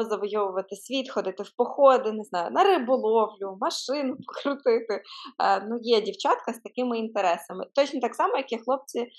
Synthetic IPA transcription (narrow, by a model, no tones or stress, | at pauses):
zɐʋɔjɔʋʊʋɐt̪ɪsʲʋʲit̪xɔd̪ɪt̪ɪwpɔxɔd̪ɪnɪznɑjʊ̰nɐɾɪbʊlˠɔwlʲʊmɐʃɪnʊpɔ̥kɾʊt̪ɪt̪ɪnujɛdʲiwt͡ʃɑt̪kɐst̪ɐkɪmɪint̪eɾɛsɐmɪt̪ɔt͡ʃnɔt̪ɑksɑmɔjɐkʲixlˠɔp̚t͡sʲi